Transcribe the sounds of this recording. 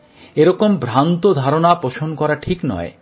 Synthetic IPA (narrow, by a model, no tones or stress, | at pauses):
eɾɔkombʱɾant̪od̪ʱaɾonapoʃʰonkɔɾaʈʰiknɔ̰e